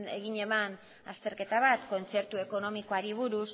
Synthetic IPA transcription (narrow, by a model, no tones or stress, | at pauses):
eɣiɲe̞man | a̰st̪e̞ɾke̞t̪aβ̞at̪ko̞nt͡se̞ɾt̪ue̞ko̞no̞miko̞aɾiβ̞uɾus